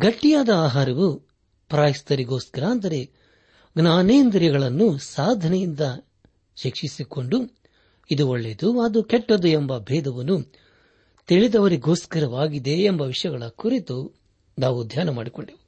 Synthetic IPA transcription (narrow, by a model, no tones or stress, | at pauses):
ɡɐʈːijaːd̪ɐaːɦaːɾɐʋu | pɾaːjist̪ɐɾiɡoːskɐɾɐːnd̪ɐɾe̞ | ɡnaːneːnd̪ɾjɐɡɐɭɐnːusaːd̪ʱɐnɛjind̪ɐ | ʃikʂisiko̞ɳɖu | id̪uoɭːeːd̪uɐd̪ukɛʈːɐd̪uembɐbʱɛːd̪ɐʋɐnːu | t̪iɭid̪ɐʋɐɾiɡoːskɐɾɐʋaːɡid̪e̞ːmbɐʋiʂjɐɡɐɭɐkuɾit̪u | naːʋud̪ʱjaːnɐma̰ːɽikoɳɖiʋu